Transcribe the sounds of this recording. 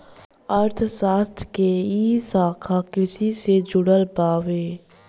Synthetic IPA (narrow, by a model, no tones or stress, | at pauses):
əɾt̪ʰsaːst̪ʰkeiːsaːkʰakɪsised͡ʒʊɽəlpaːʋeː